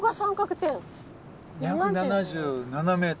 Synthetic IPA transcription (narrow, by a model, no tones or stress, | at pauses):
ɡasãŋkakɯ̟̥t̪ẽŋ | jaɯnanaʑɯːnaname̞ːt